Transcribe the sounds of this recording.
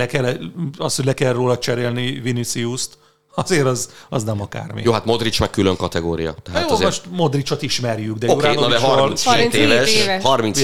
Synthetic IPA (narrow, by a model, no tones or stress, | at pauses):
lɛkɛlɒsho̞ɟʲlɛkɛlroːlɒt͡ʃɛɾeːlnivinisiust̪ | ɒzeːɾɒzɒznɛmɒka̰ːrmḭjoːɦat̪mo̞d̪rit͡ʃmɛk̚ːyløŋkɒt̪ɛɡoːɾijɒ̰t̪ɛɦjozmoʃt̪mo̞d̪rit͡ʃot̪iʃmɛrjyɡd̪ɛjooːɾaːd̪ond̪ɛɦɔrmliset̪eːvɛʃɒrmins